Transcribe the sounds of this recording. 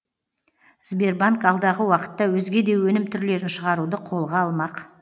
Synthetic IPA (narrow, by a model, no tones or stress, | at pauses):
z̥be̞rbaŋkɑlˠd̪ɑʁəwɑqə̥t̪ːɑwɵzɡʲe̞d̪e̞wɵnɪmt̪ʰʏɾle̞ɾɪnʃəʁɑɾud̪əqʰo̞lˠʁɑɑlˠmɑq